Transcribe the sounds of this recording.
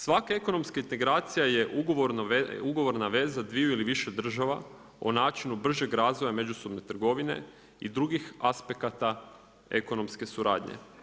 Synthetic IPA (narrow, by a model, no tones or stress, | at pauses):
sʋakaeko̞no̞mskaint̪e̞ɡɾaːt̪sijaje̞ʔuɡoʋoɾnuɡo̞ʋo̞ɾnaʋe̞zad̪ʋijuiliʋiʃe̞d̪r̩ʒaʋa̰ | onaːt͡ʃinubr̩ʒe̞ɡɾaːzʋo̞jame̞d͡ʒuso̞bne̞t̪r̩ɡo̞ʋine̞̰ | id̪ɾuɡixaspe̞kat̪a | e̞̰ko̞no̞mske̞suɾa̰ːd̪ɲḛ